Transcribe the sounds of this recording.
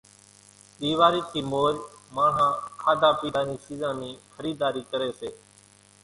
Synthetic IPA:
ɓiːʋaːɾiːt̪ʰiːmoːɾmãːɦãːkʰaːd̪aːpiːd̪aːnĩːsiːzãːnĩːxəɾiːd̪aːɾiːkəɾeːseː

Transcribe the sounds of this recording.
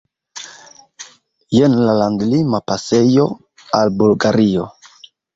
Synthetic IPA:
jenlaland̪limapasejo̞ | albulɡaɾio̞

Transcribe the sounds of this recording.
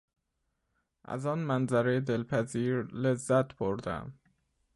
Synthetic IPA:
ʔæ̰zɒːnmænzæɾed̪elpʰæziːɾlezːæt̪bʰoɾd̪æ̰m

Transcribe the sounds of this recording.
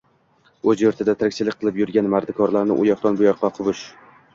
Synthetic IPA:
ɵzjoɾt̪ʰɪd̪at̪ʰaɾkʲt͡ʃɪlɪkʲqʰɨlˠɪpjʊɾɡʲanmaɾd̪ɪkʰɒɾlaɾnɪ̰ʔʊjɒt̪ɒnbʊjɒqːɑqʰʊvʊʃ

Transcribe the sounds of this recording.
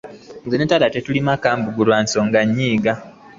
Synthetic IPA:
zenetalatetulimakaːmbuɡulwaːnsoːŋɡaɲːiːɡa

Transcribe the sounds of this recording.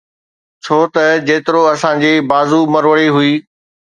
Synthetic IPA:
t͡ɕʰoːt̪ɐd͡ʑeːt̪ɪɾoɐsãd͡ʑiːbaːzumɐɾʋəɽiɦʊiː

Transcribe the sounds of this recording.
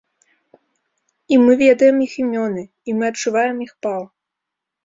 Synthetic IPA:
imɨvʲɛd̪ɐjɛmiximʲɔnɨ | imɨɐt͡ʂːuvajɛmixpalˠ

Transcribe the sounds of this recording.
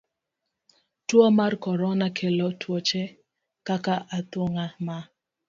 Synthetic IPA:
twɔmarkɔɾɔnakʰelɔtʰwɔt͡ʃɛ | kakaʔat̪oŋama

